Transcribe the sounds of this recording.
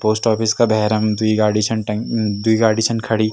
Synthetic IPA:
poːsʈɔːpɪskabɛɦɾəmd̪uiɡaːɖiʃənʈd̪uiɡaːɖiːʃənkʰɐɽiː

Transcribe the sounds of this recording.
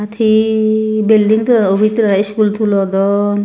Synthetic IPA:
at̪ʰi | bilɖiŋt̪uɾaobʱit̪iɾaiskult̪ʰulɔd̪ɔ

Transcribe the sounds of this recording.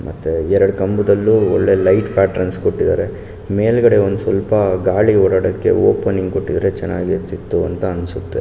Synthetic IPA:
mʔɐ̰t̪ːuɛɾɐɽukɐmbud̪ɐlːuɔɭːe̞lɐjʈpaːʈɾɐnskoʈːid̪aːɾe̞ | me̞ːlɡɐɽe̞ond̪usʋɐlpɐɡaːɭiɔɽɐɽɐkːe̞̰o̰ːpɐnːiŋɡkoʈːid̪ɐɾet͡ʃɛnːa̰ːɡit̪it̪ːuɐnt̪ɐːnsut̪ːe

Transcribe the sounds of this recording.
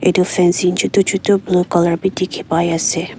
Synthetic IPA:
ḛd̪ofɛnsind͡ʒut̪ot͡ʃut̪oblukɔlaɾbit̪ːikʰipajase

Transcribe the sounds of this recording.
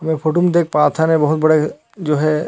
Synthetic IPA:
ɦɐmẽpʰoːʈomẽd̪eːk̚ʰpaːt̪ʰanẽbɐɦʊt̪̚bɐɽe | d͡ʒoːɦɛ

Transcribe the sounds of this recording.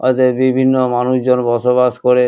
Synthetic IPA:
ɔ̰t̪ebibʱinːomanuʃd͡ʑonbɔʃobaʃkoɾe

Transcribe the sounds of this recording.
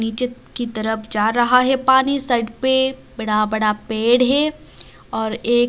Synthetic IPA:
niːt͡ʃɪt̪kit̪ɐɾəpʰd͡ʒaːɾɐɦaɦɛpaːnisɐɖpebɐɽabɐɽapeːɽɦɛ | ɔːɾeː

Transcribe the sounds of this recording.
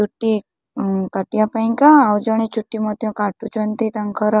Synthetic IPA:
t͡ʃuʈːi | kaʈjapajŋkaːwd͡ʒɔɽ̃et͡ʃuʈːimɔt̪jɔ̃kaʈut͡ʃɔnt̪it̪ãŋkʰɔɾɔ

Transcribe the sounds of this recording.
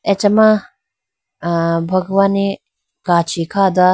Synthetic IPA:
et͡ʃɐmã | bʱɐɡwaːni | kaːt͡ʃʰikʰaːd̪a

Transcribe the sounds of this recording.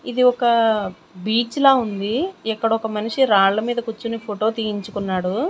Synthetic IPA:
id̪iɔkɐ | biːt͡ʃlaːund̪iɛkːɐɽɐɔkɐmɐniʂiɾaːɭlɐmiːd̪ɐkut͡ʃːunipʰoʈo̞ːt̪iːjiɲt͡ʃukunːaːɽu

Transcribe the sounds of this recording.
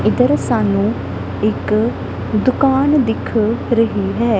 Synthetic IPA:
ɪd̪əɾsaːnũː | ɪk | d̪ʊkaːnd̪ɪkʰɾəɦiːɦɛː

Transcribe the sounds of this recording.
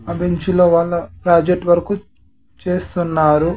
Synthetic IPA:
ɐbeɲt͡ʃilo̞ːʋaːɭːɐpɾaːd͡ʒeʈːʋɐɾɐku | t͡ʃe̞ːst̪unːaːɾu

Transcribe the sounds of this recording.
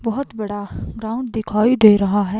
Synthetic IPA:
bɐɦʊt̪bɐɽaɡɾaːʊ̃ɳɖd̪ɪkʰaːiɖeːɾɐɦaɦɛː

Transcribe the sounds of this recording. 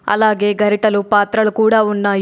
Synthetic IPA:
ɐ̰laːɡe̞ːɡʱɐɾiʈɐlupaːt̪ɾɐlukuːɽaːunːaːj

